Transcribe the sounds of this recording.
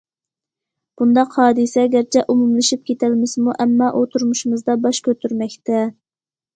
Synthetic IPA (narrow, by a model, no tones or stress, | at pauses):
b̥und̪ɑqhɑːd̪ɨsɛɡʲæɾt͡ʃʰɛʔumumlɨʃip̚kʲʰet̪ʰælmɪsɪmuʔɛmːɑʔot̪ʰuɾmuʃimɨzd̪ɑbɑʃkʲʰøt̪ʰyɾmɛkʲt̪ɛ